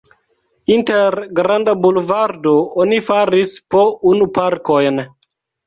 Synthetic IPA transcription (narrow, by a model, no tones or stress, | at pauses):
inteɾɡɾandabulvaɾdoonifaɾispounupaɾkojn